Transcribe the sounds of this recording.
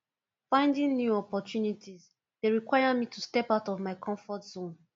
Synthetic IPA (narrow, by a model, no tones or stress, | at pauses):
fãɪ̃ndĩŋnjuɔpɔtjunitʰiz | d̥eɹikwajəmitʰustɛpaʊtɔvmaɪkʰɔ̃ɱfɔtz̥õn